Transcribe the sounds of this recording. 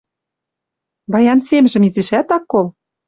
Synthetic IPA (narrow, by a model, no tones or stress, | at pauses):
bɑjɑnsemʒɘ̆miziʃæt̪ɑkːol